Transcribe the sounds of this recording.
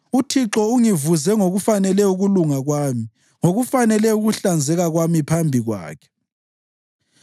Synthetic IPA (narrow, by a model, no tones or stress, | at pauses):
utʰiǁɔuŋivuzɛŋoɣufanɛlɛuɣuluŋaɣwaːmi | ŋoɣufanɛlɛuɣuɬand͡zʱɛɣaɣwamipʰambʱiɣwa̰ːkʰɛ̥